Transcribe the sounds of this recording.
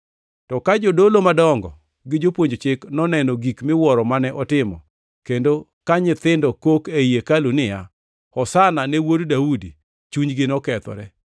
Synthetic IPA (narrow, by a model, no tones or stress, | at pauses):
tɔkad͡ʒodolomadɔŋɡɔ | ɡɪd͡ʒopwoɲd͡ʒt͡ʃɪknɔnɛnɔɡikmɪwɔɾɔmanɛʔɔtɪmɔ | kendo | kaɲɪt̪ɪndɔkokejekalunɪja | ɔsananɛwoddaudi | t͡ʃuɲɡɪnɔkɛt̪ɔ̰ɾɛ